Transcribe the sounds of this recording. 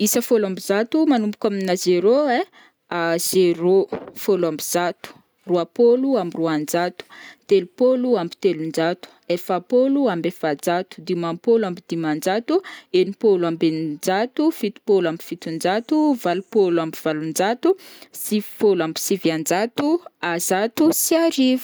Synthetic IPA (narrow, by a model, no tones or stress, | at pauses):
isəfolambizat̪umanumbu̥kʲaminazeɾoe | az̥eɾofolambiz̥at̪u̥ | ruapoluamiruand͡ʒat̪u̥t̪elupoluambi̥t̪elund͡ʒat̪u̥efapoluambefad͡zat̪u̥d̪imampoluambid̪̥imand͡ʒat̪uenipolwambend͡ʒat̪ufit̪u̥polambifit̪und͡ʒat̪uvalupoluambiv̥alund͡ʒat̪usivfolambisiviand͡ʒat̪uazat̪usiaɾiv